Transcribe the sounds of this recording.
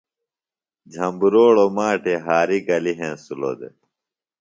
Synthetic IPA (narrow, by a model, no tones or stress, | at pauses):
d͡ʑʱɐmbuɾoːɽomaːʈʰeɦaːɾiɡɐliɦẽːsulo̰ːd̪ḛ